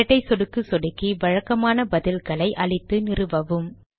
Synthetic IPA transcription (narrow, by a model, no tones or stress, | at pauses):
ɐʈːɐɪsɔɽɯkːɯsɔɽɯkːiʋɐɻɐkːɐmaːnɐbɐðɪlkɐɭɐɪʔɐɭɪt̪ːɯnɪrɯʋɐʋɯm